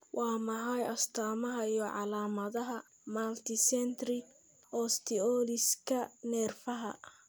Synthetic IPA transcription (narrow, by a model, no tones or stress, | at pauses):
wʔɑːmɐɦɐjɐst̪ʰaːmɐɦɐijɔʕɑlaːmɐðɐɦɐ | malt̪ʰɪsɛnt̪rɪ | ɔst̪ʰɪɔːlɪskʰɐnɛːrfɐɦɐ̰